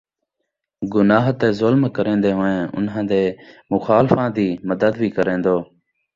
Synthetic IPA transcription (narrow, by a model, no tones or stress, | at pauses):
ɡʊnaːɦt̪eːzʊlmkəɾẽːnd̪eːɦoːẽːʔʊ̰nɦãːd̪eːmʊxaːlfãːd̪iːməd̪əd̪bʱiːkəɾẽːnd̪oː